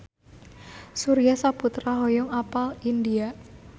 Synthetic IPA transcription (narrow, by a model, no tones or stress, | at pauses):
suɾijasaput̪ɾaɦɔjɔŋapalindia